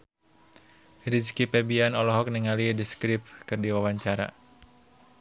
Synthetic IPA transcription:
ɾid͡ʒkipɛbianɔlɔɦɔk̚niŋalidiskɾip̚kɨrdiwawaɲt͡ʃaɾa̰

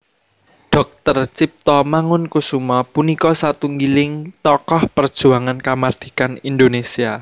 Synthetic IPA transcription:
ɖ̥ɔ̤k̚t̪ərt͡ʃip̚t̪ɔmaŋʊnkusumɔpunikɔsat̪uŋɡilɪŋt̪ɔkɔhpərd̥ʒ̥ṳaŋankamard̪̥i̥̤kanind̪onesia

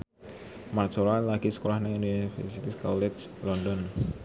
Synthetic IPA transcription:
marsoɾalaɡ̥isə̥kolahnauninifɛ̰rsit̪iskɔ̰wled͡ʒlɔndɔn

